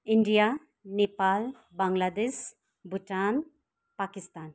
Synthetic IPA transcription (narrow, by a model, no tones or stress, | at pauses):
iɳɖija | nepal | baŋlad̪es | buʈan | pakist̪aːn